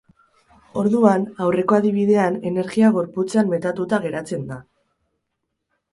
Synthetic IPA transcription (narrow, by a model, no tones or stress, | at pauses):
o̞ɾðuanawre̞ko̞aðiβ̞iðe̞ane̞ne̞ɾɣiaɣ̞o̞ɾput͡seammːe̞t̪at̪ut̪aɣ̞e̞ɾat͡se̞nd̪a